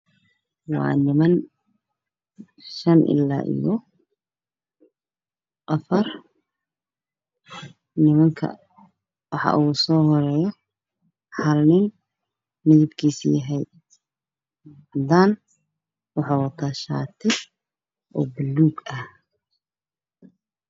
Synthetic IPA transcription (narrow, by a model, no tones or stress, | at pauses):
wɑ̰ːnɪmɐn | ʃɐnʔɪ̰la̰ːʔḭjɔ | ʔɐfɐr | nɪmɐŋkʰɐ̰ | wɑħɑ̰ʔusɔːɦɔɾɛːjɔ | ħɐlnɪn | mɪðɪbkʰiːsḭjɐɦɛj | d̪aːn | wɑħɑːwɐt̪ʰaːʃa̰ːt̪ʰɪ | ʔɔːbɪlːuːɡɐh